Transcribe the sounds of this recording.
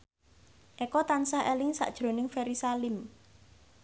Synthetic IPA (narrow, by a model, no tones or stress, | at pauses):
ʔɛkɔt̪ansaelɪŋsa̰ʔd̥ʒ̥ɾo̤nɪŋfɛɾisalɪm